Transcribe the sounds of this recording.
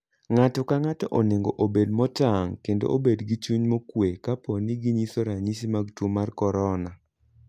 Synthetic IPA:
ŋatɔkaŋatɔʔoneŋɡoʔobedmɔtaŋkendo̰ʔobedɡit͡ʃuɲmokwekaponiɡiɲisoɾaɲisimaɡtwomarkɔɾɔna

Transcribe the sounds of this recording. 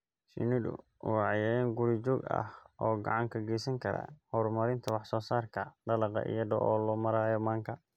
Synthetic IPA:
sḭnɪdʊ̰ | wʕjaːjaːnɡʊɾit͡ʃɔːɡɐ̰hʔɔːɡɐ̰ʕɑŋkʰɐɡɛjsɐŋkʰɐɾa̰hɔrmɐɾɪnt̪ʰɐwɑħsɔːsaːrkʰɐɖɐlɑqɑ̰ʔḭjɐɖɔʔɔːlɔːmɐɾaːjɔmaːŋkʰɐ

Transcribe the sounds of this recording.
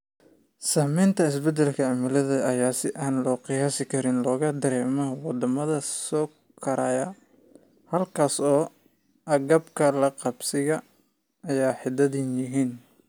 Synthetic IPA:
saːmɛjnt̪ʰɐɪsbɛd̪ɛlkʰɐʕamɪlɐðɐɐjaːsɪʔaːnlɔːqɪjaːsɪkʰɐɾɪnlɔːɣɐd̪ɐɾɛːmɐwɑd̪ɐmɐðɐsɔː | kʰɐɾaːjɐ | hɐlkʰaːsɔː | ɐɡɐbkʰɐlɐqɑbsɪɣɐ | ɐjaːħɪd̪ɐðɪnjɪɦiːn

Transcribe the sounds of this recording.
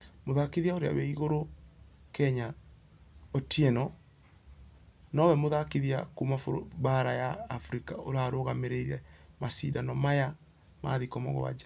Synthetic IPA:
moðakiðiaoɾea̰wɛiɣoɾo | kɛɲa | otiɛnɔ | nɔwɛmoðakiðiakumafobaɾajaːfɾikaoɾaɾoɣameɾeiɾɛmasḭdanɔmaja | ma̰ðikɔmɔɣɔ̰wa̰d͡ʒa

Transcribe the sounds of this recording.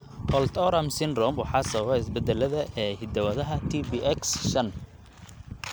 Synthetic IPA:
ʔɔlt̪ʰɔɾɐmsɪnrɔmwɑħɑːsɐβɐβɛɪsbɛd̪ɛlɐðɐʔɛːhɪd̪ɐwɐðɐɦɐt̪ʰibiʔɛksʃɐn

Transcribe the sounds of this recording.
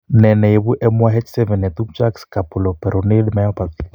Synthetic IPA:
nɛnɛeβuʔɛmwaɦɛt͡ʃsɛvɛnɛt̪umt͡ʃakskapulɔpɛɾonelmajɔpati

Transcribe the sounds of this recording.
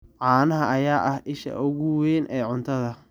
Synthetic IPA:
ʕɑːnɐɦɐɐjaːʔɐhʔɪʃɐ̰ʔʊɣʊwɛːnʔɛːʕʊnt̪ʰɐðɐ

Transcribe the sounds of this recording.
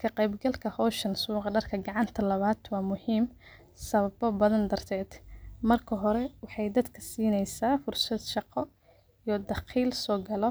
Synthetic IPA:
kʰɐqɛjbɡɐlkʰɐhɔːʃɐnsuːqɑɖɐrkʰɐɡɑʕɑnt̪ʰɐlɐβaːd̪̥wɑːmʊhiːm | sɐβɐbɔbɐðɐnd̪ɐrt̪ʰɛːd̪̥mɐrkʰɐɦɔɾɛwɑħɑjd̪ɐd̪kʰɐsiːnɛjsaːfʊrsɐd̪ʃɑqɔ | ijɔd̪ɑqiːlsɔːɡɐlɔ

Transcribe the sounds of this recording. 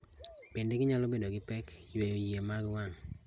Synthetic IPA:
pindeɡɪɲalɔbedoɡɪpɛkjweojemaɡwaŋ

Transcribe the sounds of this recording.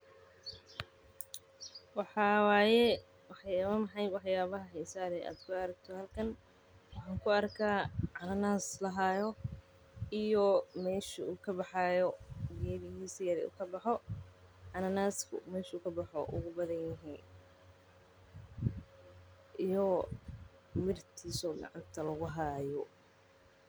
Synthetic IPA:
wɑħɑːwaːjɛ | wɑħjaːβɐmɐħɑjwɑħjaːβɐɦɐħɛjsaːɾɛja̰ːd̪kʰʊɐɾɐkt̪ʰɔhɐlkʰɐn | wɑħɑːŋkʰʊɐrkʰaːʕɑnɐnaːslɐɦaːjɔ | ijɔmɛːʃʊuːkʰɐbɑħɑːjɔɡɛːβɪjiːsɐjɐɾɛṵːkʰɐbɑħɔ | ʕɑnɐnaːskʰʊ̰mɛːʃuːkʰɐbɐħɔʔʊ̰ɣʊbɐðɐnjɪɦɛj | ʔijɔ | mɪrt̪ʰiːsɔɡɑ̰ʕɑnt̪ʰɐlɐɣʊɦaːjɔ

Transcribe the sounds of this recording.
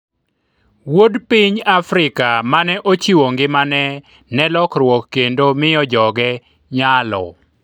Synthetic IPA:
wodpiɲafɾɪkamanɛʔot͡ʃiwoŋɡɪmanɛ | nɛlɔkrwɔkːendomɪjɔd͡ʒɔɡɛ | ɲalɔ̰

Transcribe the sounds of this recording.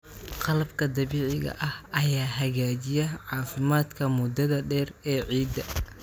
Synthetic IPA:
qɑlɐbkʰɐd̪ɐβiːʕɪɣɐ̰ʔɐhɐjaːɦɐɣaːt͡ʃɪjɛʕɑːfɪmaːd̪kʰɐmʊd̪ɐðɐɖɛːrɛːʕiːd̪ɐ

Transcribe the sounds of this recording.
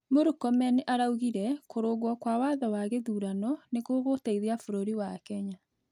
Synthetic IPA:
moɾukɔmɛneʔaɾauɣiɾɛkoɾoɣwɔkwawaːðɔwaɣeðuːɾanɔnekoɣotaiðeafoɾoɾiwakɛɲa

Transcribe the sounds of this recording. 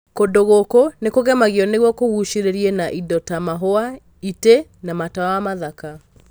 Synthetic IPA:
kondoɣokonekoɣɛmaɣiɔneɣwɔkoɣuʃiɾeɾienaʔidɔtamaɦoa | itenamataaamaðaka

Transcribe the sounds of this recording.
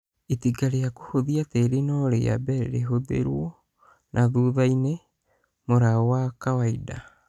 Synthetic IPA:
etiɡaɾeakohoðiateɾenɔɾḛja̰bɛɾɛ̰ɾeɦoðḛɾwɔ | nʔaðuːðaine | moɾaɔwakawaida

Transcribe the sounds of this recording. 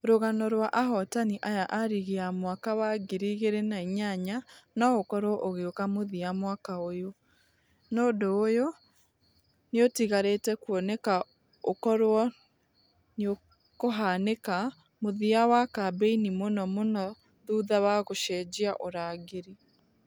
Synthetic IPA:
ɾoɣanɔɾwaʔaɦɔtaniʔajaʔaɾiɣeamwakaβaɡeɾiɣeɾenaiɲaɲanaokɔɾwɔʔoɣeokamoðiamwakaojo | noːdoːjo | neotiɣaɾetɛkwɔnɛka | okɔɾwɔ | neo | koɦaneka | moðiawakabeinimonɔmonɔ | ðuðaβaɣoʃɛd͡ʑiaʔoɾaɣeɾi

